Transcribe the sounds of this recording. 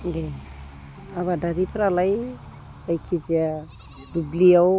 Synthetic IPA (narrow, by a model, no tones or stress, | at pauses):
d̪e | avadaɾipɾalaj | z̥ajkʰizia | dubliaw